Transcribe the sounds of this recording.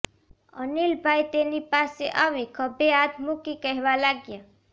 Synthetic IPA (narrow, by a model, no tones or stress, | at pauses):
ʌ̰nilbʱajt̪enipaseʔaβikʰʌbeat̪mukikəɦeβalaɡjʌ